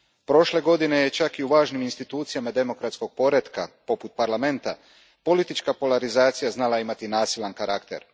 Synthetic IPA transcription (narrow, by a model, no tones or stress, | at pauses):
pɾo̞ʃle̞ɡo̞d̪ine̞jet͡ʃakiuʋaːʒniminst̪it̪uːt̪sijamad̪e̞mo̞kɾat̪sko̞ɡ̥̚po̞ɾe̞t̪ka̰po̞put̪̚paɾlame̞nt̪a | po̞lit̪it͡ʃkapo̞laɾizaːt̪sijaznalˠaimat̪inaːsilˠankaɾakt̪e̞̰ɾ